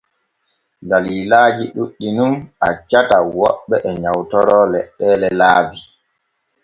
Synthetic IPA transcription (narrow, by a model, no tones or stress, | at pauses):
daliːlaːd͡ʒiɗuɗːinumat͡ʃatawɔɓːɛʔɛɲawtɔɾɔlɛɗːɛːlɛlaːbi